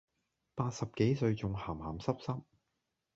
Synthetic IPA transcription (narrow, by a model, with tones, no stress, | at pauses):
paː˧t̚sɐ˨p̚ke˨˥jsɵ˧ɥt͡sʊ˨ŋhaː˨˩mhaː˨˩msɐ˥p̚sɐ˥p̚